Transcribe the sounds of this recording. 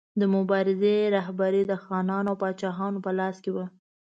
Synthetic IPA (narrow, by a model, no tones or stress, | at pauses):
d̪əmʊbɑɾɪzeɾaɦbaɾed̪əxɑnɑnoawpɑt͡ʃɑɦɑnopəlɑskewə